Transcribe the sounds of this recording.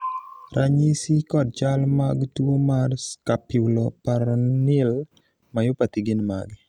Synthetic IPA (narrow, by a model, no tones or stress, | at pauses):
ɾʔaɲisikɔd̚t͡ʃalmaɡtwomarskapɪulɔpaɾnɪl | majopat̪iɡɪnma̰ɡ